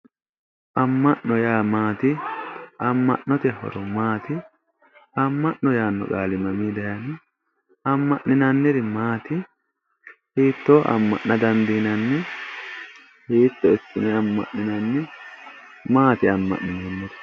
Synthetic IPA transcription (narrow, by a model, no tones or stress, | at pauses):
ʔɐmːɐʔnɔjaːmaːt̪ɪ | ɐmːɐ̰ʔnːɔt̪ɛhɔ̰ɾɔmaːt̪ɪ | ɐmːɐʔnɔjaːnːɔ̰kʼaːlɪmɐmiːd̪ɐjɐnɪ | ɐmːɐʔnɪnɐnːɪɾɪmaːt̪ɪ | hiːt̪ːoːʔɐ̰mːɐ̰ʔnɐd̪ɐnd̪iːnɐnːɛ | hiːt̪ːɔɪsːɪnɛɐmːɐ̰ʔnɪnɐnːɪ | maːt̪ɪɐmːɐ̰ʔnɪnɛnːɔt̪ɛ̥